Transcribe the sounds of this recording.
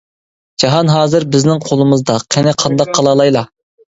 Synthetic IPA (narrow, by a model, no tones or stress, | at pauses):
d͡ʒɑɦɑnɦɑːzɨɾbɪznɪŋqʰolˠɨmɨzd̪ɑqʰɛnɪqʰɑnd̪ɑqʰːɑlˠɑlˠɑjlˠɑ